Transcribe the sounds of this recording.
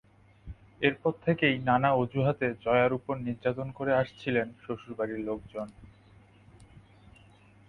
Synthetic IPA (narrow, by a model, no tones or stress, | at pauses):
eɾpɔɾt̪ʰekejnanaod͡ʑuɦat̪ed͡ʑɔeaɾupoɾniɾd͡ʑat̪onkoɾeaʃt͡ɕʰilenʃoʃuɾbaɾiɾlok̚d͡ʑon